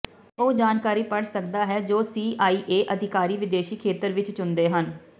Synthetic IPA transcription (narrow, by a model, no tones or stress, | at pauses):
oːd͡ʒaːnkaːɾiːpəɽsəkd̪aːɦɛːd͡ʒoːsiːʔaːiːʔeːʔəd̪ʱɪkaːɾiːʋɪd̪eːʃiːkʰeːt̪əɾʋɪt͡ʃt͡ʃʊnd̪eːɦən